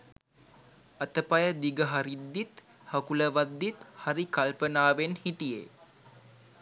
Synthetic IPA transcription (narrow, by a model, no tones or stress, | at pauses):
ɐt̪əpajəd̪iɡəɦaɾid̪ːit̪ | hɐkuləʋad̪ːit̪haɾikalpənaːʋenhiʈijḛ